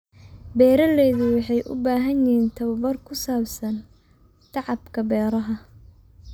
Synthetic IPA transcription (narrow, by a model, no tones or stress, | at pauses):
bɛːɾɐlɛːðʊwɑħɑjʔʊ̰baːɦɐnɪiːnt̪ʰɐwβɐrkʰʊsaːbsɐn | t̪ʰɑʕɑbkʰɐbɛːɾɐɦɐ